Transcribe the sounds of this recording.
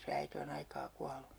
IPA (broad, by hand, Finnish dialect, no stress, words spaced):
se æite on ɑikɑː kuɑlu